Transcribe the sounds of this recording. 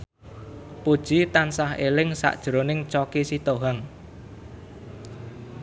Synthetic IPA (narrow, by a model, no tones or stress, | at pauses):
pud̥ʒ̥i̤t̪ansahelɪŋsa̰ʔd̥ʒ̥ɾonɪŋt͡ʃɔkisit̪oɦaŋ